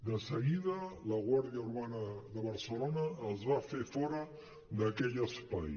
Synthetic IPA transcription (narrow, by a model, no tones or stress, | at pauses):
d̪əsəɣiðələɣwaɾðiəuɾβanəðəβəɾsəlonəːlˠzβafefɔɾə | ðəkɛʎəspa̰j